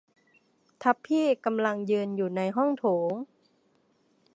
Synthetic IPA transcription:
t̪ʰa˦˥pʰːiː˥˩ka˧mla˧ŋjɯː˧njuː˨˩na˧jɦɔ˥˩ŋt̪ʰoː˩˦ŋ

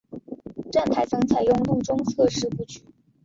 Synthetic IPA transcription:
ʈ͡ʂa˥˩npʰa˥˩ɪt͡sɤ˧˥ŋt͡sʰa˧˥ɪjʊ˥˧ŋlʊ˥˧ŋʈ͡ʂʊ˥ŋt͡sʰɤ˥˧ʂɻ̩˥˧pu˥˩t͡ɕy˨˩˦

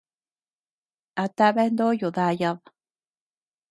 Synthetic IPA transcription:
a˨t̪a˦βe˦nd̪o˦ju˨ða˦jaβ

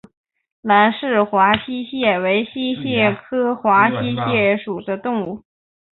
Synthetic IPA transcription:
la˧˥nʂɻ̩˥˩xwa˧˥ɕi˥ɕjɛ˥˩we˧˥ɪɕi˥ɕjɛ˥˩kʰɤ˥xwa˧˥ɕi˥ɕjɛ˥˩ʂu˨˩də˦t̪ʊ˥˧ŋu˥˩

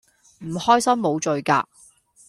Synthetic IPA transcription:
m̩˨˩hɔː˥jsɐ˥mːo˨˧wt͡ʃɵ˨ɥka̰ː˧

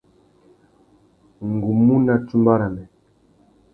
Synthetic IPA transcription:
ŋ˨ɡu˨mu˦na˨tu˦mba˦ɾa˨mɛ˨

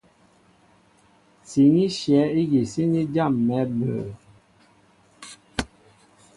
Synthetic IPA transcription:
si˨ŋi˦ʃjɛ˨˦i˦ɣi˨si˦ni˦d͡ʒa˦˨mːɛ˨˦bə̰˨

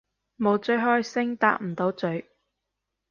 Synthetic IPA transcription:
mo˨˧wt͡sɵ˨˧ɥɦɔː˥jsɪ˥ŋt̪a̰ː˧k̚m̩˨˩t̪o˨˧wt͡sɵ˨˧˥ɥ

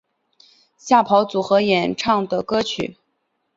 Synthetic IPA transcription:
ɕja˥˩pʰɑ˧˥ʊt͡su˨˩xɤ˧˥jɛ˨˩nʈ͡ʂʰɑ˥˩ŋd̪ə˩kɤ˥t͡ɕʰy̰˨˩˦

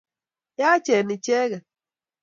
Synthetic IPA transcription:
ja˦t͡ʃɛ˨ni˨t͡ʃɛ˦ɣɛ˨

